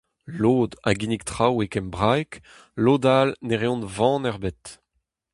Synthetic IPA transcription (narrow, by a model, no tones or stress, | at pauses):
loːd̪a̰ɡinik̚t̪χawekɛmbʁajk | loːd̪alneʁeɔ̃nvɑ̃ːnɛʁbet̪